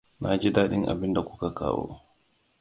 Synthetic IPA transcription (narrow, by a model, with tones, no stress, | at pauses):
na˨d͡ʒi˦daː˦ɗɪ˦ŋʔa̰˨bɪ˦nda˨kʷu̥˦ka˨ka̰ː˦wo̰ː˦